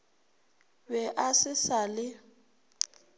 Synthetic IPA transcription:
bɛʔasɪsalɪ

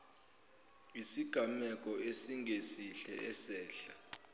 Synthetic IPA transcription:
isiɡ̥ʱamɛk̬ʼɔesiŋɡʱesiɬɛʔɛsɛːɬa

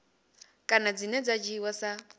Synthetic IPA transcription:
kʼanad͡zinɛd͡zad͡ʒiwasa

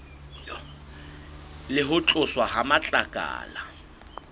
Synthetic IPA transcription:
lɪɦʊt͡ɬʼʊswaɦamat͡ɬʼakʼa̰ːla

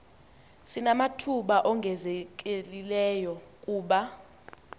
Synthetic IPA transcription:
sinamatʰuɓaʔɔŋɡʱɛzɛk̬ʼelilɛːjɔkʼuːɓa

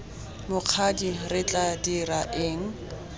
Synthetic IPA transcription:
mʊq͡χʰadirɪt͡ɬʼadiraʔɪŋ̩

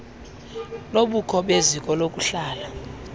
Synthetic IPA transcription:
noɓukʰɔɓezikʼɔlok̬ʼuɬaːla

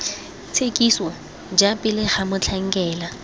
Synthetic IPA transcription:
t͡sʰekʼiswɔ | d͡ʒapʼɪlɪχamʊt͡ɬʰaŋ̩kʼɛːla

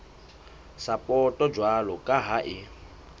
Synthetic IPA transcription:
sapʼɔtʼɔd͡ʒwalɔkʼaɦaʔɪ

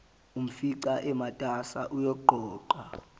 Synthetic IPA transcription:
um̩fiǀaʔɛmatʼasa̰ʔujɔɡ͡ǃʱɔːǃwa

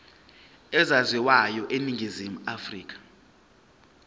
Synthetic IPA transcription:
ɛzazwiwajɔʔeniŋʱizimuafriːk̬ḁ

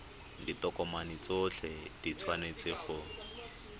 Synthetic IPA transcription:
ditɔkɔmanit͡soɬɛd̥it͡sʰwanet͡sɪχʊ

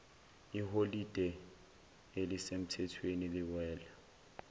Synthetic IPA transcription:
iɦolid̥ʼʱɛ | elɪsem̩tʰɛtʰwenilɪwɛːla

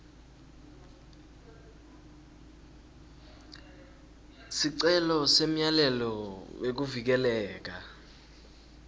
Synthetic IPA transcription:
siǀɛlɔsem̩jalɛlɔwek̬uvik̬ɛlɛːk̬a

